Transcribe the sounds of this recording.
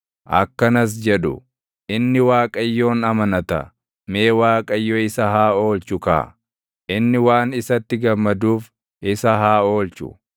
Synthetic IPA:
ʔɐ̰kːɐnɐs̬d͡ʒɛᶑʊ̰ | ʔɪnːɪwaːkʼɐjːo̞ːnɐmɐnɐt̪ɐ̰ | me̞ːwaːkʼɐjːoɪsɐhaːo̞ːlt͡ʃʊka̰ː | ʔɪnːɪwaːnɪsɐt̪ːɪɡɐmːɐd̪uːf | ʔɪsɐɦaːo̞ːlt͡ʃʊ̰

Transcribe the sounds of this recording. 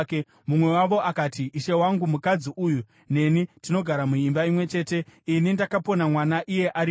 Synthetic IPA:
ke | mumwe̞waʋo̞ʔakaːtiiʃe̞waŋɡumukad͡ziʔuju | ne̞nitino̞ɡʱaɾamuimbaimwe̞t͡ʃe̞ːte̞inindakapo̞namwanaʔije̞ʔaɾi

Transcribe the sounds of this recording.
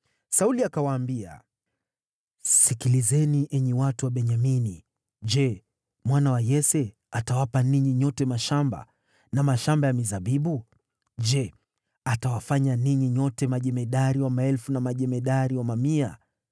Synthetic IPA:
sauliakawaːmbia̰ | sikilizɛniʔɛɲɛwatuwaɓɛɲamini | d͡ʒɛ | mwanawajɛsɛ | atawapaniɲiɲɔtɛmaʃamba̰ | namaʃambajamizaɓiɓu | d͡ʒɛ | atawafaɲaniɲiɲɔtɛmaʄɛmɛɗaɾiwamaɛlfunamaʄɛmɛɗaɾiwamamia̰

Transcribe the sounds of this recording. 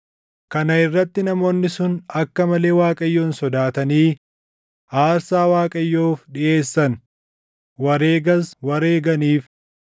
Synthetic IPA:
kɐnɐɪrːɐt̪ːɪnɐmo̞ːnːɪsʊnɐkːɐmɐle̞ːwaːkʼɐjːo̞ːnsɔd̪aːt̪ɐniː | aːɾsaːwaːkʼɐjːoːfᶑɪʔe̞ːsːɐn | wɐɾe̞ːɡɐswɐɾe̞ːɡɐniːf

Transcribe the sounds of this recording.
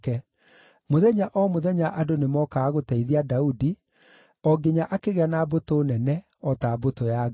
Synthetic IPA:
kɛ | moðɛɲaʔɔmoðɛɲaʔadonemɔkaːɣotɛiðiadaudi | ɔɡeɲaʔakeɣeanabotonɛnɛ | ɔtabotoja

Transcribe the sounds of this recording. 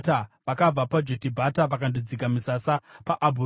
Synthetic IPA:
taʋakab͡vapad͡ʒotibʱataʋakandid͡zikamisasapaʔabʱu

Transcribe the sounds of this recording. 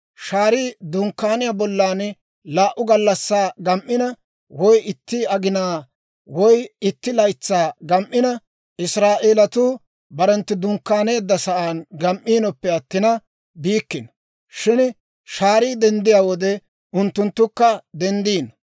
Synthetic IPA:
ʃaːɾiːd̪ʊŋkːaːnɪjabɔlːaːn | laːʔʊɡɐlːɐsːaːɡɐmʔːɪnɐ | wɔjɪt̪ːiɐɡɪnaː | wɔjɪt̪ːɪlɐjt͡sːaːɡɐmʔːɪnɐ | ʔɪsɾaːʔeːlɐt̪uː | bɐɾɛnt̪ːɪd̪ʊŋkːaːne̞ːd̪ːɐsɐʔaːnɡɐmʔːiːnɔpːɛɐt̪ːɪnɐ | biːkːɪn | ʃɪn | ʃaːɾiːd̪ɛnd̪ɪjaːwɔd̪ɛ | ʊnt̪ːʊnt̪ːʊkːɐd̪ɛnd̪iːnɐ

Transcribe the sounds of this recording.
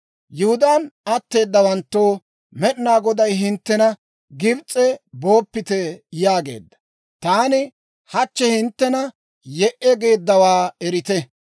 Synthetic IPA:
jʊhʊd̪aːnɐt̪ːe̞ːd̪ːɐwɐnt̪ːoː | mɛɗnaːɡɔd̪ɐjɦɪnt̪ːɛnɐ | ɡɪbt͡sʼːɛbo̞ːpːɪt̪ɛjaːɡe̞̰ːd̪ːɐ̥ | t̪aːnɪ | hɐt͡ʃːɛhɪnt̪ːɛnɐ | jɛʔɛɡe̞ːd̪ːɐwaːɛɾɪt̪ɛ

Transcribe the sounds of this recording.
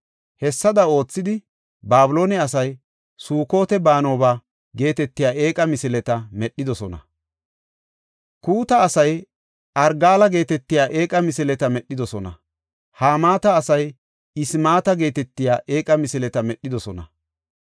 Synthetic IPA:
hɛsːɐd̪ɐo̞ːt͡sːɪd̪ɪ | baːbʊlo̞ːnɛɐsɐj | suːko̞ːt̪ɛbaːno̞ːbaː | ɡe̞ːt̪ɛt̪ːɪjaːe̞ːkʼɐmɪsɪlɛt̪ɐmɛɗːɪd̪ɔsɔnɐ̰ | kuːt̪ɐːsɐj | ʔɐɾɡaːlɐɡe̞ːt̪ɛt̪ːɪjaːʔe̞ːkʼɐmɪsɪlɛt̪ɐmɛɗːɪd̪ɔsɔnɐ̰ | haːmaːt̪ɐːsɐj | ɪsmaːt̪ɐɡe̞ːt̪ɛt̪ːɪjaːʔe̞ːkʼɐmɪsɪlɛt̪ɐmɛɗːɪd̪ɔsɔnɐ̰

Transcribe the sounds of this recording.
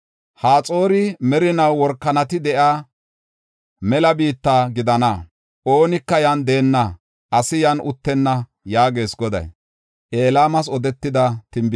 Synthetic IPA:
haːt͡sʼo̞ːɾɪmɛɾɪnɐwːɔɾkːɐnɐt̪ɪd̪ɛʔaː | mɛlɐbiːt̪ːaːɡɪd̪ɐnɐ | ʔo̞ːnɪkːɐjɐnd̪eːnːɐ | ʔɐsɪjɐnʊt̪ːɛnːɐ | jaːɡe̞ːsɡɔd̪ɐ̰j | ʔeːlaːmɐs̬ɔd̪ɛt̪ːɪd̪ɐt̪ɪmb

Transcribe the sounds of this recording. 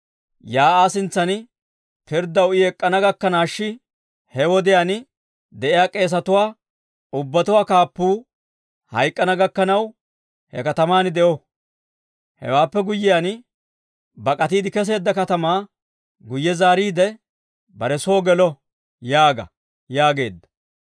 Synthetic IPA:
jaːaːsɪnt͡sːɐn | pɪɾd̪ɐwɪɛkʼːɐnɐɡɐkːɐnaːʃːɪ | hɛwɔd̪ɪjaːn | d̪ɛʔɪjaːkʼe̞ːs̬ɐt̪ʊwaː | ʊbːɐt̪ʊwaːkaːpːuː | hɐ̰jkʼːɐnɐɡɐkːɐnɐw | hɛ̰kɐt̪ɐmaːnɪd̪ɛʔɔ | hɛ̰waːpːɛɡʊjːɪjan | bɐkʼɐt̪iːd̪ɪkɛs̬e̞ːd̪ːɐkɐt̪ɐmaː | ɡʊjːɛzaːɾiːd̪ɛ | bɐɾɛsoːɡɛlɔ | jaːɡɐ̰ | jaːɡe̞ːd̪ːɐ̥

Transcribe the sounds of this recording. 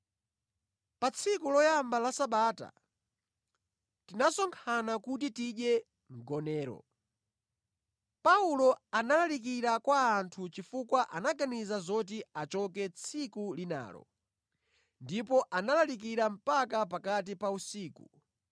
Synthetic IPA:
pat͡sʰikulɔjambalasaɓaːta̰ | tinasɔŋkʰanakut̬itiɗjɛ | ŋ̩ɡɔnɛːɾɔ̰ | paulɔanalalik̬iɾakwaːntʰut͡ʃifukwaʔanaɡanizazɔt̬iat͡ʃɔkɛt͡sʰikulina̰ːlɔ̰ | ndipɔʔanalalik̬iɾam̩pakap̬akat̬ipausiːku

